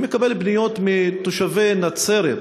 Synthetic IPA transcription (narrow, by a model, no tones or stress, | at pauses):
mekabelbnijo̞t̪mit̪oʃavenat͡seɾḛ